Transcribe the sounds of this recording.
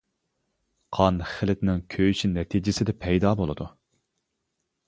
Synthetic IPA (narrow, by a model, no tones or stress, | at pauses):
qʰɑnχɪlɪt̪nɪŋkʲʰøjyʃinɛt̪ʰid͡ʒɪsɪd̪ɛpʰɛjd̪ɑːbolˠɨ̰d̪u